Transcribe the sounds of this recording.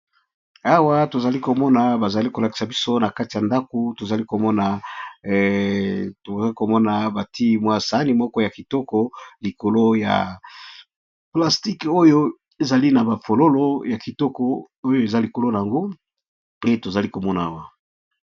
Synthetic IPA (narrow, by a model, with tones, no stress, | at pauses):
a˦wa˦to˨za˨li˦ko˨mɔ˦na˨ba˨za˨li˦ko˨la˨ki̥˨sa˨bi˦so˦na˨ka˦ti˨ja˨nda˦ko˨to˨za˨li˦ko˨mɔ˦na˨ | to˨za˨li˦ko˨mɔ˦na˨ba˨ti˦mwa˦sa˦ni˦mɔ˦kɔ˦ja˨ki˨tɔ˦kɔ˨li˨ko˨lo˦ja̰˨ | pla˨sti˦ko˦jo˦ | e˨za˨li˦na˨ba˨fo˨lo˦lo˦ja˨ki˨tɔ˦kɔ˨ | o˦jo˦e˨za˦li˨ko˨lo˦na˨a˨ŋɡo˦ | pe˦to˨za˨li˦ko˨mɔ˦na˨a˦wa˨